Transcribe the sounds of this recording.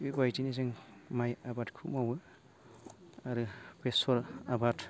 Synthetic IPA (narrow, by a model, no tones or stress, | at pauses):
bibajtinizɯŋmajabatkʰumawɯ | aɾɯpesɔɾabat